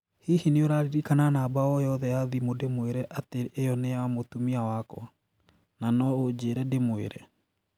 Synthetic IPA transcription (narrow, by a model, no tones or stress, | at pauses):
hihineoɾaɾiɾikananaːbaɔjɔðɛjaðimodemoeɾɛʔateːjɔneaamotumiawakɔ̰ | nanɔod͡ʑeɾɛdemoḛɾɛ